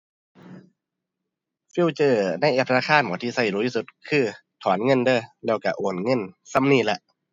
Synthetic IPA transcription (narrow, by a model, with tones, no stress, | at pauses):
fi˧˨wt͡ɕɤː˧˩na˧˩jʔɛː˧p̚t̪ʰa˧na˧kʰaː˧˥˨nmɔː˨˦t̪ʰiː˧˩sa˧˩˨jduː˧˦t̪ʰiː˧˩su˧˦t̪̚kʰɯː˧˥˩ | t̪ʰɔː˩˦nŋɤ˧˥˨ndɤː˧˩lɛː˧˩wka˧˩ʔoː˨˩nŋɤ˧˥˨nsa˧˥˨mniː˧˩˨la˧˩ʔ